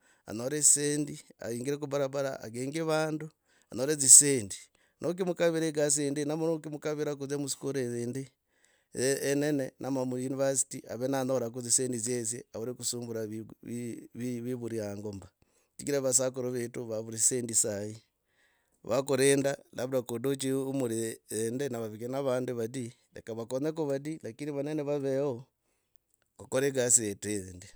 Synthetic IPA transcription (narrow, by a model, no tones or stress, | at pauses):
a̰noɾeseːndia̰iːŋɡiɾekubaɾaβaɾa̰a̰ɡeːŋɡeβaːndu | anoɾeziseːndi | nʔok̬imukaβiɾeɡas̬eːndenamunokimukaβiɾak̬uzemusi̥kuɾezeːnde | nenenʔamamujunivasi̥tia̰βenanoɾak̬uziseːndizjezḛaβuɾekusuːmbuɾa | βiβiβuɾiaŋɡomba | t͡ʃikiɾaβas̬ak̬uɾoβetuβaβuɾisendisai | βakuɾeːndalaβuɾakodot͡ʃiumuɾiendenaβaβikenaβaːnduβadi | lḛkaβakoɲek̬oβadilakindiβaneneβaβeo | kokoɾeɡasieteðindi